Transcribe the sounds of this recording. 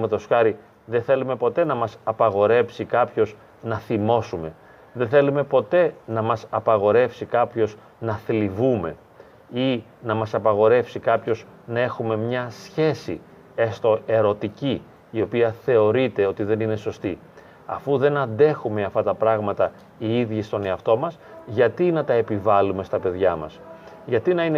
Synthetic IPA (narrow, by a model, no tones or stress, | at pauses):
met̪o̞sxɐɾi | ðe̞nθe̞lume̞po̞t̪e̞nɐmɐsɐpɐɣo̞ɾe̞fsikɐpço̞z | nɐθimo̞sume̞ | ðenθe̞lume̞po̞t̪e̞nɐmɐsɐpɐɣo̞ɾe̞fsikɐpço̞z | nɐθlivume̞̰ | inɐmɐsɐpɐɣo̞ɾe̞fsikɐpço̞z | nɐe̞xume̞mɲɐsçe̞sḭ | est̪o̞e̞ɾo̞t̪iciː | o̞piɐθe̞o̞ɾit̪e̞o̞t̪iðe̞nine̞so̞st̪i | ɐ̰fuðe̞nɐnd̪e̞xumeɐft̪ɐt̪ɐpɾɐɣmɐt̪ɐ | iiðʝist̪o̞ne̞ɐft̪o̞mɐsʝɐt̪inɐt̪ɐe̞pivɐlume̞st̪ɐpe̞ðʝɐmɐ̰sʝɐt̪inɐine